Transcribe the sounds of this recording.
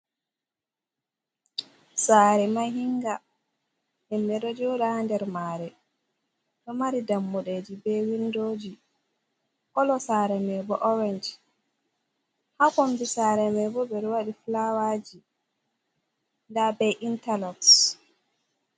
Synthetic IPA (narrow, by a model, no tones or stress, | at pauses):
saːɾɛmaɦiŋɡa | ɛmːɛɗɔd͡ʒɔɗandɛɾmaːɾɛ | ɗɔmaɾidamːuɗed͡ʒibɛwindod͡ʒi | kɔlɔsaɾɛmɛbɔʔɔɾɛnd͡ʒ | hakɔnbisaɾɛmɛbɔbɛɾwaɗiflawad͡ʒi | ndabɛʔintalɔks